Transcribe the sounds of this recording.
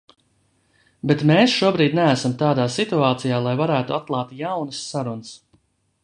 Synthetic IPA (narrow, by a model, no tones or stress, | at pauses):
bet̪meːsʃuɔbɾiːd̪nææsamt̪aːd̪aːsit̪uaːt̪sijaːlˠajvaɾæːt̪uat̪̚lˠaːt̪jawnəsːaɾunəs